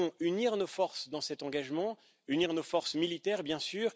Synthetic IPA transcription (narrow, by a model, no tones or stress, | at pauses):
ɔ̃yniʁnofɔʁsd̪ɑ̃sɛt̪ɑ̃ɡaʒmɑ̃ | yniʁnofɔʁsmilit̪ɛʁbjɛ̃syːʁ